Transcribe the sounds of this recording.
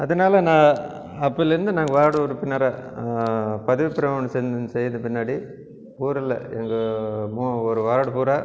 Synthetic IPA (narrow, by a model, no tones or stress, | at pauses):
ɐðɐnaːlɐnãː | ɐpːɐlːɐɾɯnd̪ɯnaːŋɡɐʋaːɾɐɽɐɾɯpɪnːɐɾaː | pɐðɯʋɪpːɪɾɐmɐnɯsɛnɯnɯsɛjːɐnd̪ɯpɪnːaːɽi | uːɾɪlːɐ̰ɛŋɡɐmuɔɾɯʋaːɾɐɽɯpuːɾaː